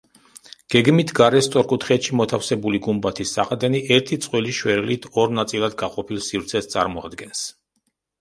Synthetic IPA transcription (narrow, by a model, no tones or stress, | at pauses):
ɡ̥ɛɡmit̪ʰɡaɾɛst̪ʼɔɾkʼut̪ʰχɛt̪ʃimɔt̪ʰafsɛbuliɡumbat̪ʰisːaqʼd̪ɛniʔɛɾt̪ʰit̪sʼqʼwɛliʃwɛɾɛlit̪ʰɔɾnat̪sʼilˠad̪ɡaqʼɔpʰilˠsivɾt̪sʰɛst̪sʼa̰ɾmɔa̰d̪ɡɛns